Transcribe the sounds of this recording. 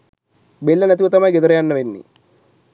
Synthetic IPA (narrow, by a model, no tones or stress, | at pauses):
belːənæt̪̬iʋət̪amɐjɡed̪əɾɐjanːəʋenːḭ